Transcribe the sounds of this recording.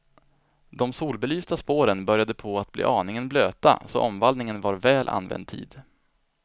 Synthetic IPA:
d̪ɔmsuːlbɛlyːst̪aspoːɾənbœɾjad̪əpʰɔat̪̚blḭːʔɑːnɪŋənbløːt̪a̰sɔ̰ʔɔmvald̪nɪŋənvaɾvɛːlʔa̰nvɛ̰nd̪̚t̪ʰḭːd̪

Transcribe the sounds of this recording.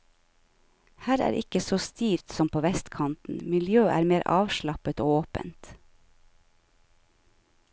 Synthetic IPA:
hæːɾæ̰ːɾʔɪkəsoːst̪iːɾt̪sɔmpʰoːʋɛst̪kʰɑnt̪n̩mɪljøːʔæ̰ːɾmeːɾʔɑ̰ːʋʃlɑpət̪oːoːpə̰nt̪

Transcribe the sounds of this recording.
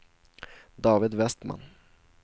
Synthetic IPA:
d̪ɑːvɪd̪vɛst̪ma̰n

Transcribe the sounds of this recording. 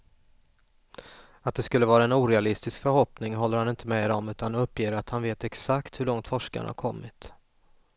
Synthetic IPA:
at̪̚d̪ɛskɵlːəvɑːɾaɛnuːɾɛalɪst̪ɪskfœɾɦɔpnɪŋɦɔlːəɾhanɪnt̪ʰəmɛd̪ɔmʉ̟ːt̪anɵpːjeːɾat̪hanveːt̪ɛksakt̪hɵɭɔŋt̪fɔʂka̰nɳ̰ha̰ɾkʰɔmːɪt̪

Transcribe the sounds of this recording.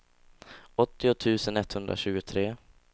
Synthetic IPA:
ɔt̪ːɪʊt̪ʰʉ̟ːsənɛt̪ːhɵnd̪ɾa̰ɕʉ̟ːɡʊt̪ʰɾeː

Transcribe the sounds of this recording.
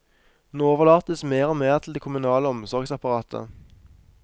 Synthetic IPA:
nooːʋəʁlɑːt̪əsmeːʁɔmeːʁt̪ʰl̩d̪eːkʰʊmʉnɑːləɔmsɔʁɡsɑpɑʁɑːt̪ʰə̰

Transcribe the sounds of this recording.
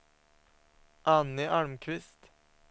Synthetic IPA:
ʔɑnɪʔɑɹmkʰʋɪst̪

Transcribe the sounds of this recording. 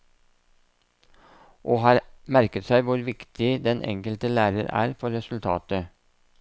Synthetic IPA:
ʔoːhɑːɾmæɾkət̪sæɪʋʊɾʋɪkt̪ʰɪd̪ɛnʔɛ̰ŋkəlt̪əlæːɾəɾæ̰ːɾfɔɾɛsʉl̩t̪ʰɑ̰ːt̪ə

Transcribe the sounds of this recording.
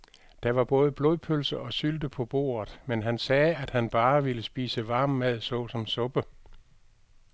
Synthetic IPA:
d̥ɑ̈ʋɑ̈b̥ɔ̽ːð̞ˠəb̥loðˠpʰølsɐʔɒ̽syld̥əpʰɒ̽b̥o̝̰ːɐð̩ˠmenɦænsɛːæd̥hænb̥ɑ̈ːʋiləsb̥ḭːsəʋɑ̈ːmːæð̰ˠsɔ̽sɒ̽msɔ̽b̥ə

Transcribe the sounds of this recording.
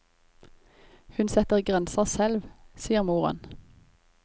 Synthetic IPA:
hʉnsɛt̪əʁɡʁɛnsəʁsɛlʋsiːəʁmuːʁɑ̰n

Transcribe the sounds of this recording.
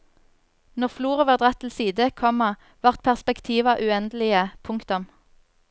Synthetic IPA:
nɔʁfluːʁəʋɑːʁd̪ʁɑt̪ʰːɪlsiːd̪əkʰɔmɑ | ʋɑʁt̪̚pʰæʁspɛkt̪ʰiːʋɑʔʉːɛnd̪əlɪəpʰʊŋkt̪ʊm

